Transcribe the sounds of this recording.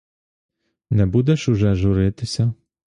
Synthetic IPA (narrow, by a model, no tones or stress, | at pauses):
nɛbud̪ɛʃuʒɛʒʊɾɪt̪ɪsʲɐ